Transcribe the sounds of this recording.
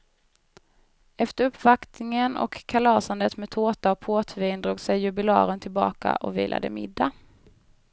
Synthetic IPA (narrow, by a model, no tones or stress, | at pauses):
ɛft̪əɾɵpːvakt̪nɪŋənɔ̰kʰːalɑːsand̪ət̪meːt̪ʰoːt̪aɔpʰoːt̪ʰviːnd̪ɾuːɡsɛjːɵbɪlɑ̰ːɾənt̪ʰɪlbɑ̰ːka̰ʔɔvḭːlʔa̰d̪ə̰mɪd̪ːa